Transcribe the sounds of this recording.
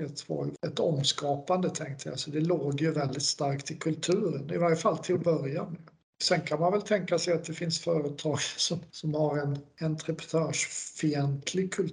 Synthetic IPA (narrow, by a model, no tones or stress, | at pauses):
ɛt̪ʰvɑ̰ɾjɛt̪ɔmskɑːpand̪ət̪ʰɛŋk̚t̪ʰəj̰asɔd̪ɛloːɡjɵvɛld̪ɪt̪st̪aɾkt̪ɪkʰɵlt̪ʰʉ̟ːɾənɪvaɾjəfalːt̪ʰɪlbœɾjan | sɛnkʰanmanvɛlt̪ʰɛŋkasɛjat̪̚d̪ɛfɪnsfœːɾət̪ʰɑːɡsɔmsɔmhaɾɛnɛnt̪ʰɾɛpɾɛ̥t̪ʰøːʂfɪɛnt̪ʰlɪɡ̚kʰɵl